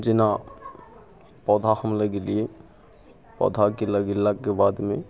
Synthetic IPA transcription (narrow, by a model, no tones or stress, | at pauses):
d͡ʒɪna | pɔd̪ʱahəmləɡelie | pɔ̰d̪ʱakeləɡilːakebad̪me